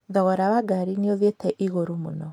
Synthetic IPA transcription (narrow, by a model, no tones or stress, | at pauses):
ðɔɣɔɾawaɡaɾineoðetɛʔiɣoɾomonɔ